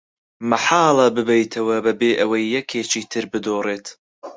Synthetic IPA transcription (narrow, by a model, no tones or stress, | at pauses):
mɐħɑːlˠɐbɨbɛjt̪ʰɐwɐbɐbeːʔɐwɐjːɛkʰeːt͡ʃiːt̪ʰɨɾbɨd̪oːreːt̪